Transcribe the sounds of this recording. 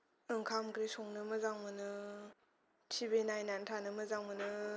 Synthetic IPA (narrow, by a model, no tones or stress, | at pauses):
ɯŋkʰamkɾesɔŋnɯmɯzaŋmɯnɯ | t͡ʃʰibenajnantʰanɯmɯzaŋmɯnɯ